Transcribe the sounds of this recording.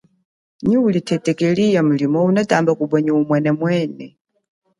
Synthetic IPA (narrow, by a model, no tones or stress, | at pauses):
ɲiulitʰɛtʼɛkʼɛlijam̩limɔunatʼambakuɓwɛɲɛumwɛnɛmwɛːnɛ